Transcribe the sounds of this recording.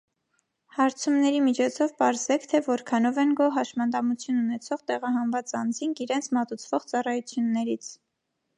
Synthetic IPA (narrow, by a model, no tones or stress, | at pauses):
hɑɾt͡sʰumnɛɾimit͡ʃʰɔt͡sʰɔvpɑɾzɛkʰt̪ʰɛvɔɾkʰɑnɔvɛnɡɔɦɑʃmɑnd̪ɑmut͡sʰjununɛt͡sʰɔʁt̪ɛʁɑɦɑnvɑt͡sɑnd͡ziŋkʰiɾɛnt͡sʰmɑt̪ut͡sʰvɔʁt͡sɑrɑjut͡sʰjunːɛɾit͡sʰ